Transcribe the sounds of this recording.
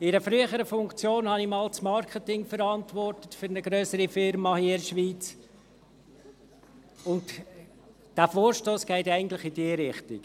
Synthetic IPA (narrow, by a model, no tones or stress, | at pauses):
ɪɾəfɾyəχəɾəfʊŋkt͡sjoːnhɑnimɑːlt͡smɑɾkʰətɪŋfəɾɑntʋɔrtətføɾnəɡɾœsəɾifɪɾmɑhiɪɾʃʋiːt͡s | ʊnt | d̥æfoːɾʃtoːsɡ̥ɛɪt̪ɛɪɡən̩tlɪχɪdiəɾɪχtɪk